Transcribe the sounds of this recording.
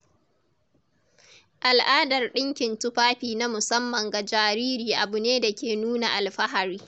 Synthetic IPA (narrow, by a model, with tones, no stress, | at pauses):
ʔa˨lʔaː˦dɐ˨rɗɪ˦ŋkʲɪ˨ntʊ˦ɸaː˦ɸiː˨na˦mʊ˨sɐ˦mːɐ˨ŋɡa˨d͡ʒaː˨ɾiː˦ɾiː˨ʔa˨bʊ˨neː˦da˨kʲeː˨nuː˦na˨ʔa˨lɸɐ˦ɦa˨ɾiː˦